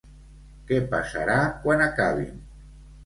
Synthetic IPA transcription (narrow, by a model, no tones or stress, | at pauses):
kɛpasa̰ɾakwanakaβ̞ḭn